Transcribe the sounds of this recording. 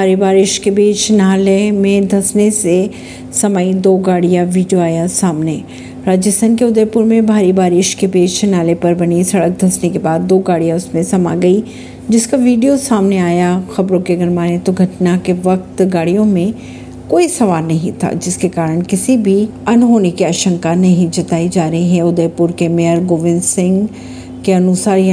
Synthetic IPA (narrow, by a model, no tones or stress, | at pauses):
bʱaːɾibaːɾɪʃkebiːt͡ʃʰnaːlemẽd̪ʱɐsnese | sɐmaːid̪oːɡaːɽijaʋiːɖijoaːjasaːmne | ɾaːd͡ʒəsənkeʊd̪əɾpuɾmẽbʱaːɾibaːɾɪʃkebiːt͡ʃʰnaːlepɐɾbɐnisɐɽək̚d̪ʱɐsnekebaːd̪ːoːɡaːɽijãʊsmẽsɐma̰ɡɐi | d͡ʒɪskaʋiːɖijosaːmneaːjaxɐbɾõkeɐɡəɾmaːnẽt̪oɡʱɐʈnakeʋɐkt̪ɡaːɽijõmẽ | koːisɐʋaːlnɐɦĩt̪ʰa̰d͡ʒɪskekaːɾəɽ̃kɪsibʱiɐnɦoːnekiaːʃə̃ŋkanɐɦĩd͡ʒɐt̪aːid͡ʒaːɾɐɦiɦɛ̃ʊd̪əɾpʊɾkemeəɾɡoːʋɪ̃nsɪ̃ŋɡ | keɐnʊsaːɾj